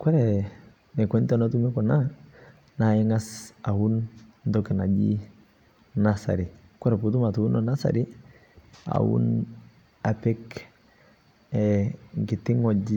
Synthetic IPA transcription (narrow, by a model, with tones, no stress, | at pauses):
kwɛ˦ɾɛ | nɛ˨kwɛ˦ntɔnɔtu˦mɪ˦kɔ˨na | naɪ˦ŋasa˨hundɔkɛ˨na˨d͡ʒḭ˦ | nasa̰˨ɾi˨ | kwɛ˦ɾɛ˨putu˦matu˨u˦nɔnasa̰ɾɪ | a̰ṵ˦n | a˨pɛ˦k | ɛŋkɪ˨tɪ˦ŋɔd͡ʒi